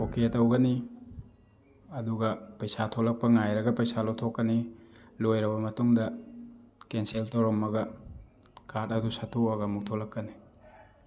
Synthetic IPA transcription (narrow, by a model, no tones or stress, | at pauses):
oketɐwɡɐni | ɐduɡɐpɐjsatʰolɐk̚pɐŋajɾɐɡɐpɐjsalowtʰokːɐnilojɾɐbɐmɐtuŋdɐ | kenseltowɾomːɐɡɐ | katɐdusatʰuɐɡɐmuk̚tʰolɐkːɐni